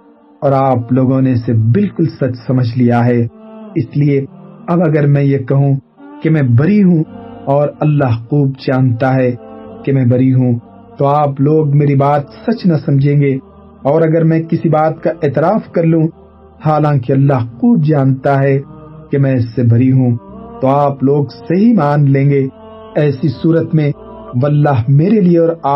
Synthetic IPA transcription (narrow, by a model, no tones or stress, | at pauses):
ɔːɾaːploːɡõnesebɪlkʊlsɐt͡ʃsɐməd͡ʒʱlijaɦɛːɪslieɐbɐɡəɾmɛ̃jekɐɦũ | kemɛ̃ːbɐɾiɦũɔːɾɐlːaɦquːbd͡ʒaːnt̪aɦɛkemɛ̃bɐɾiɦũ | t̪oaːploːɡmeːɾibaːt̪sɐt͡ʃnɐsɐ̃md͡ʒʱẽːɡe | ɔːɾɐɡəɾmɛ̃ːkɪsibaːt̪kaʔeːt̪ɪɾaːfkɐɾlũ | haːlãːkeɐlːaɦquːbd͡ʒaːnt̪aɦɛkemɛ̃ɪsːebɐɾiɦũt̪oaːploːɡseɦimaːnlẽːŋɡe | ɛːsisuːɾət̪mẽ | ʋlːaːɦmeːɾelieɔːɾaː